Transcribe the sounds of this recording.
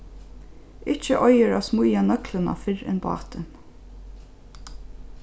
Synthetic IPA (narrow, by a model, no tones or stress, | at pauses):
ɪt͡ʃəʔɔjəɹaːsmʊjanœklənɑ̰fɪɹɛ̰nbɑ̰ːt̪ən